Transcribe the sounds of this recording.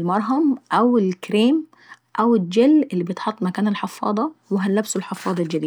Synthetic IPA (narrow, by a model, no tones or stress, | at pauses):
lmɑɾˤɦɑmʔæwɪlkɾeːm | ʔæwɪd͡ʒelːʔɪlːibjet̪ħɑt̪ˤːmækæːnɪlħɑfːɑ̰ːd̪ˤɑwɪɦælːæbsʊlħɑfːɑːd̪ˤɑld͡ʒæd̪iː